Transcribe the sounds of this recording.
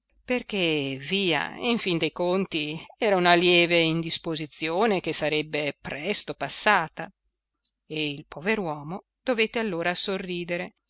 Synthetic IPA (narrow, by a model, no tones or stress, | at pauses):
perk̟eviːa̰iɱfind̪ejkont̪iɛːɾaunaljɛːveind̪ispozit̪sjoːnek̟esːaɾɛbːepɾɛst̪opasːaːt̪a | eilpoveɾwɔːmo | d̪̥ovet̪ːealːoːɾasorːiːd̪eɾe